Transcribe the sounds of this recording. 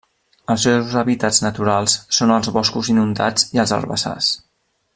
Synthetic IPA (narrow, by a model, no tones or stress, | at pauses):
əlˠsewzəβit̪ad͡znət̪uɾalˠsːonəlˠzβɔskuzinund̪ad͡ziəlzə̰lˠβə̰sa̰s